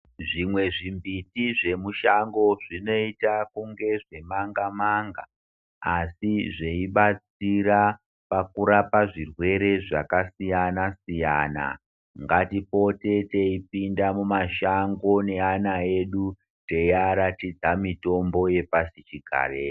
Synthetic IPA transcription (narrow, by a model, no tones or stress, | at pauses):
ʐimwe̞ʐimbitiʐe̞muʃaŋɡo̞ʐino̞itakuŋɡe̞ʐe̞maŋɡamaŋɡaː | siʐe̞iɓat͡siɾa | pakuɾapaʐirwe̞ɾe̞ʐakasijanasijaːna̰ | ŋɡatipo̞te̞te̞ipindamumaʃaŋɡo̞ne̞anae̞ɗu | te̞jaɾatid͡zamito̞mbo̞je̞pasit͡ʃiɡʱa̰ːre